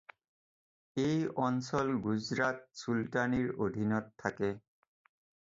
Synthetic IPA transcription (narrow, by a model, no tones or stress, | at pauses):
ejɔnsɔlɡuzɹat̚sultaniɹod̪ʱinɔtʰːakɛ